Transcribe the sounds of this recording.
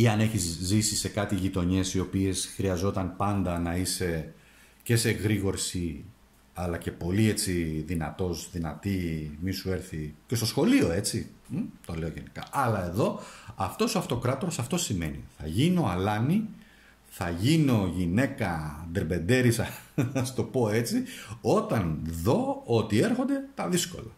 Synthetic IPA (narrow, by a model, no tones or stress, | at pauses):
iɐne̞çizzisise̞kɐt̪iʝit̪o̞ɲe̞sio̞pie̞sxɾiɐzo̞t̪ɐnpɐnd̪ɐnɐise̞ | ce̞se̞ɣɾiɣo̞ɾsi | ɐlɐce̞po̞lie̞t͡siðinɐt̪o̞sðinɐt̪imisue̞ɾθice̞st̪o̞sxo̞lio̞e̞t͡sit̪o̞le̞oʝe̞nikɐ̰ʔɐlɐe̞ðo̞ɐft̪o̞soɐft̪o̞kɾɐt̪o̞ɾosɐft̪o̞sime̞̰nḭθɐ̰ʝinio̞ɐlɐni | θɐʝino̞ʝine̞kɐd̪eɾbe̞nd̪e̞ɾisɐɐst̪o̞po̞e̞t͡sio̞t̪ɐnðo̞ot̪ie̞ɾxond̪e̞t̪ɐðisko̞̰lɐ